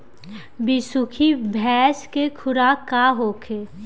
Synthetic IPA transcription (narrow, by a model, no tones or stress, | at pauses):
bisʊkʰibʱɛːskekʰʊɾakaɦoːkʰe